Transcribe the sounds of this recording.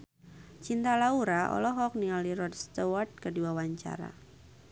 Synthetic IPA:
t͡ʃint̪alauɾaʔɔ̰lɔɦɔk̚niŋaliɾɔdst̪ɔwɔrt̪̚kəduawaɲt͡ʃa̰ɾa̰

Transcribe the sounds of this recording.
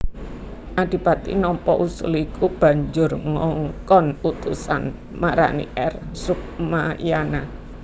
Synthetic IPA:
ʔad̥i̤pat̪ḭnɔmpɔʔusulikub̥a̤ɲd͡ʒʊrŋɔŋkɔnut̪usa̰n | maɾa̰nḭʔɛrsuk̚majana

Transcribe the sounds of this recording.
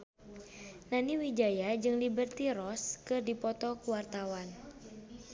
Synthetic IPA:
naniwid͡ʒajad͡ʒɨŋlibərt̪iɾɔskɨrdipɔt̪ɔkuwart̪awan

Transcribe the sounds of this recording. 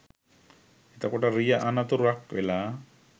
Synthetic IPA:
et̪akɔʈaɾijaʔanat̪oɾakḛla

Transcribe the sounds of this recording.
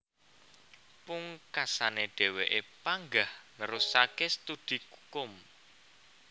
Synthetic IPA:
puŋkasaneɖ̥e̤weʔepaŋɡahnəɾusakest̪ud̪̥i̤kukʊm

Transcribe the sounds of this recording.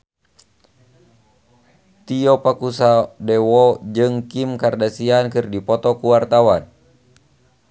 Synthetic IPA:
t̪iɔpakusadɛwɔd͡ʒɨŋkimkardasiankɨrdipɔt̪ɔkuwart̪awan

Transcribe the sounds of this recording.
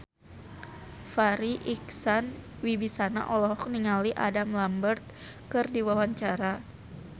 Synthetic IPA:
faɾiʔiksan | wibisana̰ʔɔlɔɦɔk̚niŋaliʔa̰damlambərt̪̚ | kɨrdiwawaɲt͡ʃaɾa

